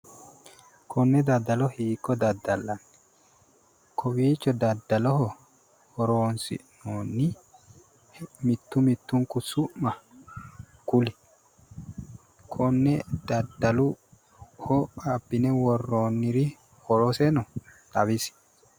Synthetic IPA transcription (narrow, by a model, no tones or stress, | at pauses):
kʰɔnːɛd̪ɐd̪ːɐlɔhiːkːɔd̪ɐd̪ːɐlːɐn | kʰɔbiːt͡ʃːɔd̪ɐd̪ːɐlɔhɔ | hɔɾoːnsɪ̰ʔnoːnːɪ | mɪt̪ːʊmɪt̪ːʊŋkʊsʊʔmɐ | kʊlɪ̥ | kʰɔnːɛd̪̥ɐd̪ɐlʊ | hɔɐbːɪnɛwɔrːoːnːɪɾi | hɔɾɔsɛnɔt̪ɐβɪs